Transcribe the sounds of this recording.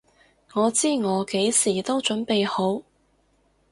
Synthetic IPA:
ŋɔː˨˧t͡siː˥ŋɔː˨˧ke˨˥jsiː˨˩t̪o˥wt͡ʃɵ˨˥npe˨jho˨˥w

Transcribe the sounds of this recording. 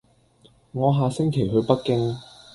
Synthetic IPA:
ŋɔː˨˧ɦaː˨˧sɪ˥ŋkʰe˨˩jɦɵ˨˧ɥpɐ˥t̚kɪ˥ŋ

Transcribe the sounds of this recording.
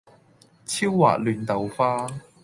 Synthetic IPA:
t͡sʰiː˥wːa̰ː˨˩k̚lyː˨˩nt̪ɐ˨wfaː˥

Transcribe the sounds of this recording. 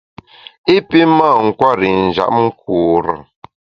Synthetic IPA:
i˦pi˦ma˦˨ŋ̩˨kwa˦˨ɾi˨n̩˨d͡ʒa̰˨ʔ̩˦kuː˨ɾə̰˨

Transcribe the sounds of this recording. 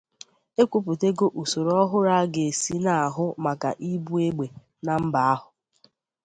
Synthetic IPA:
e˦kʷu˦˨p̬u˨te˦ɡo˦ʔu˨so˨ɾo˨ɔ˦ɦʊ˦ɾa˦ɡe˨e˨si˦na˨a˨ɦʊ˦ma˨ka̰˨ʔi˦bu˦e˦ɡ͡be˨ | na˨m̩˦ba˨a˦ɦʊ˨

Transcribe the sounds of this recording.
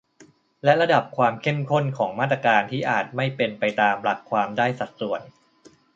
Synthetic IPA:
lɛ˦˥ʔɾa˧da˨˩p̚kʰwaː˧mkʰe˥˩mkʰo˥˩nkʰɔː˩˦ŋmaː˥˩t̪ɾa˧kaː˧nt̪ʰiː˥˩ʔaː˨˩t̪̚ma˥˩jpe˧npa˧jt̪aː˧mla˨˦˥kʰːwaː˧mdaː˥˩jsa˨˩t̪̚su˨˩ən

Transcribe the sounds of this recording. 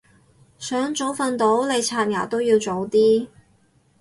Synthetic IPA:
sœː˨˥ŋt͡ʃo˨˥wfɐ˧nt̪o˨˥wle˨˧jt͡sʰaː˧˩tjaː˨˩t̪o˥wjiː˧wt͡so˨˥wt̪iː˥

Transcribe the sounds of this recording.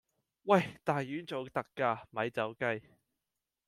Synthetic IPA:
wɐ˥˨jt̪aː˨jjyː˨˥nt͡so˨˩wt̪ɐ˧kːaː˧mɐ˨˧jt͡sɐ˨˥wkɐ˧j

